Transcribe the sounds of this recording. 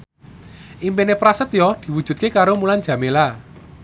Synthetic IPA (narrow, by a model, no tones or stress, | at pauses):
ʔimpenepɾasət̪jɔd̪̥i̤wud̥ʒ̥ṳd̪̚kekaɾomuland͡ʒ̥ä̤mela